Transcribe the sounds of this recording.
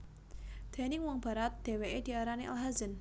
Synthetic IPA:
d̪̥e̤nɪŋwɔŋb̥a̤ɾat̪̚d̪̥e̤weʔed̪̥i̤aɾaneʔalɦazən

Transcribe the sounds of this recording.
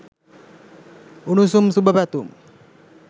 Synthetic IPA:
unusumsubapat̪um

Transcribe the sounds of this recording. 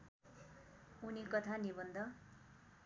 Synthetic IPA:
unikʌt̪ʰanibʌnd̪ʱʌ

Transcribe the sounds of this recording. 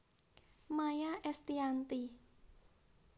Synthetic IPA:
majaʔɛst̪iant̪i

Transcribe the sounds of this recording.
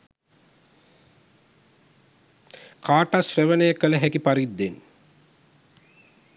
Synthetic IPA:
kaːʈasreʋənəjəkələɦækipaɾid̪ːen

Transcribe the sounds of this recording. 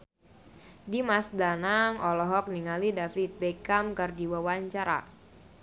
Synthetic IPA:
dimasdanaŋɔlɔɦɔk̚niŋalidafit̪̚bɛkamkərdiwawaɲt͡ʃaɾa̰

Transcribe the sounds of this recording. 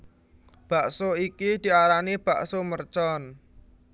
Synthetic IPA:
b̥a̤ʔsoikid̪̥i̤aɾanib̥a̤ʔsomərt͡ʃɔn

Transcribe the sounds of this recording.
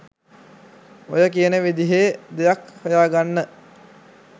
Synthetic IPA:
ojəkijənəʋid̪iɦed̪ejakhəjaːɡanːə

